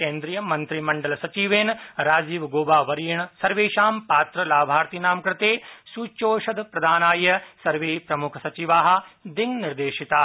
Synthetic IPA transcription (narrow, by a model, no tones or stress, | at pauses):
keːnd̪ɾijɐmɐnt̪ɾimɐɳɖɐlɐsɐt͡ʃiːʋeːnɾaːd͡ʒiːʋɡoːbaːʋɐɾijɐɳsɐɾʋeːʃaːmpaːt̪ɾɐlaːbʱaːɾt̪inaːmkɾɪt̪eːsuːt͡ʃoːʃɐd̪ʱpɾɐd̪ʱaːnaːjɐsɐɾʋeːpɾɐmukʰɐsɐt͡ʃiʋaːɦɐ̆d̪iŋniɾd̪eːʃit̪a